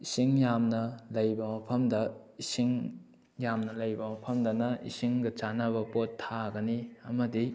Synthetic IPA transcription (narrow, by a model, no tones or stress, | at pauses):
isiŋjamnɐlɐjbɐmɐpʰɐmdɐisiŋ | jamnɐlɐjbɐmɐpʰɐmdɐnɐʔḭsiŋɡɐt͡ʃanaβɐpotʰːaɡɐniɐmɐdi